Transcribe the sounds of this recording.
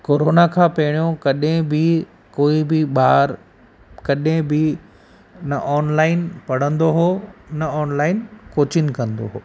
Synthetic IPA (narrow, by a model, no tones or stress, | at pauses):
koːɾoːnakʰãːpɐɦɪɽ̃ijõkɐɗɦɪ̃bɪ | koːibɪɓaːɾ | kɐɗɦɪ̃bɪ | nɐʔɔːnlaːɪnpɐɽ̤ə̃nd̪oɦoːnɐɔːnlaːɪnkoːt͡ɕɪn̆kɐ̃nd̪o̰ɦoː